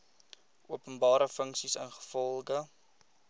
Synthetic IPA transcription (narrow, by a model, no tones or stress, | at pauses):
ʔuəpənbɑːɾəfəŋksisənχə̥fɔlˠχə